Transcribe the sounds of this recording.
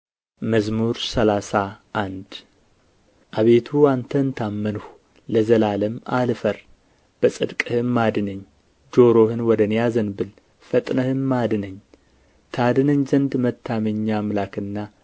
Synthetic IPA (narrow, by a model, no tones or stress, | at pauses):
məzmuɾsəlasaʔːnd̪ | ʔaβe̞t̪ʰuant̪ʰənt̪ʰamːənhu | ləzəlaləmalfəɾ | b̥əsʼɨd̪kʼɨhɨmːad̪ɨnəɲː | d͡ʒo̞ɾo̞hɨnwɔd̪ənjazənbɨl | fət̪ʼnəhɨnmad̪ɨnəɲ | t̪ʰad̪ɨnəɲzənd̪mət̪ʰːaməɲːamlakɨnːa